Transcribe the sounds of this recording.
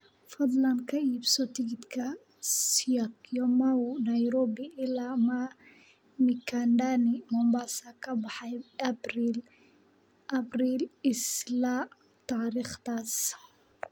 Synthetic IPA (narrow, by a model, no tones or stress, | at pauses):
fɐd̪lɐnkʰɐiːbsɔt̪ʰɪɡɪd̪kʰɐ | sijakjɔmɐʊnɐjɾɔːbiʔɪlama | mɪkʰand̪anɪmɔmbasakʰɐbɑħɑjbril | ʔɐbriːlɪsla | t̪ʰaːɾiːχt̪ʰaːs